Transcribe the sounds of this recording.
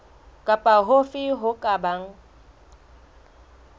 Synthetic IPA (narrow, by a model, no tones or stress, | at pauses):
kʼapʼaɦofɪɦʊkʼabaŋ̩